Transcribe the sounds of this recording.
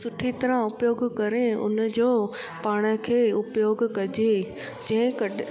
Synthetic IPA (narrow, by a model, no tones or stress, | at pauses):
sʊʈʰit̪ɐɾãʊpjoːɡkɐɾeʊ̰nd͡ʑoː | paːɽ̃ə̆kʰeːʊpjoːɡkɐd͡ʑe | d͡ʑɐ̃ɦɪ̃kɐ